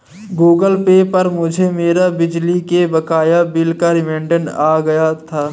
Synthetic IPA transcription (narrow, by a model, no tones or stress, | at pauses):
ɡuːɡəlpepɐɾmʊd͡ʒʱemeːɾabɪd͡ʒlikebɐkaːjabɪlkaɾɪmẽːɳɖənaːɡɐjat̪ʰaː